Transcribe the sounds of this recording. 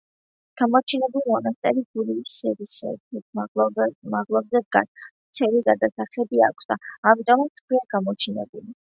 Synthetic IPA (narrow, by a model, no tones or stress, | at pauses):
ɡ̥amɔt͡ʃʰinɛbulmɔnast̪ʼɛɾiɡuliisɛvisɛ̰bɛ | maʁlˠɔbzɛd̪ɡasmt̪sʰɛliɡad̪asaχlɛbiakʷʰsd̪aːmit̪ʼɔmat̪skʰwiaɡamɔt͡ʃʰinɛ̰buli